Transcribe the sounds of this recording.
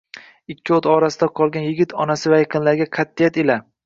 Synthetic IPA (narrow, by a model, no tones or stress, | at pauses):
ɪkʲʰːɪot̪ɒɾasɪd̪aqʰɒlˠɡʲanjɪɡʲɪt̪ʰɒnasɪvajeqʰɨnlaɾɡʲaqʰɑt̪ːijat̪ela